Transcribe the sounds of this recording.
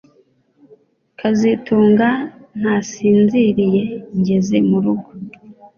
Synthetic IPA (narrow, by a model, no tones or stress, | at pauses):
kʰazituːŋɡan̥hasiːnziɾije̞ɲɟe̞ze̞muɾuɡo